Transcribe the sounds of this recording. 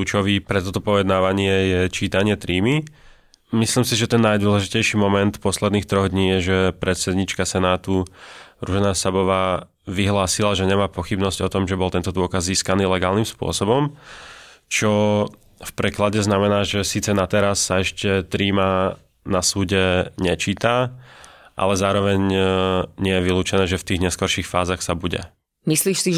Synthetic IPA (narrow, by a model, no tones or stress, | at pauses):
ut͡ʃɔʋiːpɾɛt̪ɔt̪ɔpɔjɛd̪naːʋaɲɪɛjɛt͡ʃiːt̪aɲɪɛt̪ɾiːmi | misliːmsiʒɛt̪ɛnːajd̪ʊɔlɛʒicɛjʃiːmɔmɛnt̪pɔslɛd̪niːxt̪ɾɔɣd̪ɲiːjɛʒɛpɾɛt̪sɛd̪ɲiːt͡ʃkasɛnaːt̪uɾuʒɛnasabɔʋaː | ʋiɦlaːsilaʒɛɲɛmaːpɔxibnɔzɟɔt̪ɔmʒɛbɔlˠt̪ɛnt̪ɔd̪ʊɔkazziːskaniːlɛɡaːlnimspʊɔ̰sɔbɔm | t͡ʃɔ | fpɾɛklaɟɛznamɛnaːʒɛsiːt͡sɛnat̪ɛɾasːaɛʃcɛt̪ɾiːma | nasuːɟɛɲɛt͡ʃiːt̪a | ʔa̰lɛzaːɾɔʋɛɲ | ɲɪɛjɛʋiluːt͡ʃɛnɛːʒɛft̪iːɣɲɛskɔɾʃiːxfaːzaxsabuɟɛ̰ | misliːʃsi